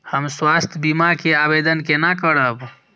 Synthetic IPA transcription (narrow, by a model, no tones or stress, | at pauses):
həmswast̪ʰjbimakeabed̪ənkenakəɾəb